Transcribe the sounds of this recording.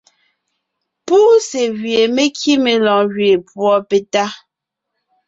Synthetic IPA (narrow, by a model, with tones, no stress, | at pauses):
puː˦se˨ɣɥe˨me˦kʰi˦me˨lɔ̃˨ɣɥe˨pwɔ˦pe˨ta˦